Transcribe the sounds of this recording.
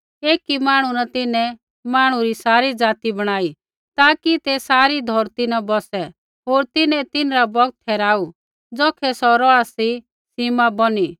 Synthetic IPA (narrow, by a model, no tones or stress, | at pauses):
eːkimaːɽ̃unat̪ɪnɛ | maːɽ̃ũɾisaːɾid͡zaːt̪ibɐɽ̃aːi | t̪aːkit̪ɛsaːɾid̪ʱɔɾt̪inabɔsɛ | ɦoːɾt̪ɪnɛ̃t̪ɪnɾabɔɡ̚t̪̚ʰɛːɾaːu | d͡zɔːkʰɛsɔɾɔasi | sɪmabɔni